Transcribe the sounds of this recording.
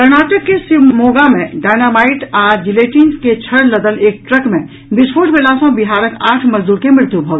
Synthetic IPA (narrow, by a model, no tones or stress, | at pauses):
kəɾnaːʈəkːesimoːɡamẽɖaːɪnamaːɪʈaːd͡ʒileːʈiŋsket͡ʃʰəɽləd̪əleːk̚ʈɾəkmẽ | bɪspʰoːʈbelaːsõbiɦaːɾəkaːʈʰmɐd͡ʒd̪uːɾkemɪɾt̪ʰjubʱə